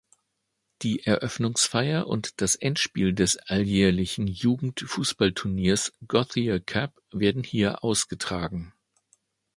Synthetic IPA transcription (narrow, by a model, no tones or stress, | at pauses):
d̥iːʔɛɐʔœfnʊŋsfaɪɐʔʊ̰ntd̥asʔɛntʃpḭːldɛsʔaljɛːɐlɪçn̩juːɡŋ̩tfuːsb̥altʰʊɐniːɐsɡ̥ɔθiakʰap | v̥eːɐdn̩hiːɐʔaʊsɡ̥ətʁ̥aːɡŋ̩